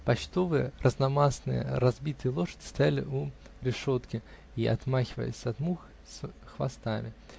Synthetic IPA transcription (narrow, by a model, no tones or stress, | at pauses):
pɐt͡ɕt̪o̞vɨjərʔəznɐmasnɨ̰jə̰ɾɐzbʲit̪ɨjəlˠo̞ʂədʲɪ̥st̪ɐjalʲɪ̰ʔu | ɾʲɪʂo̞t̪kʲɪ | iʔɐ̰t̪maxʲɪvə̰jɪ̰sʲɐt̪mux | sʲ | xvɐ̰st̪amʲɪ